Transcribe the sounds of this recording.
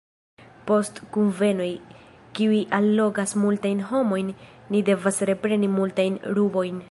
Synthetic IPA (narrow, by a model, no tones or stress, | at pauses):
po̞stkunve̞no̞j | kiuiʔalːo̞ɡasmultajnɦo̞mo̞jnːide̞vasɾe̞pɾe̞nimultajnɾubo̞jn